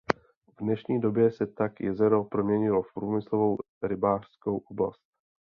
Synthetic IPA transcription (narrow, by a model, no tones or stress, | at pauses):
vdnɛʃɲiːdo̞bjɛsɛt̪akjɛzɛɾo̞pɾomɲɛɲɪlo̞fpɾuːmɪslo̞vow | ɾɪbaːr̝̥skowʔobla̰st̪̚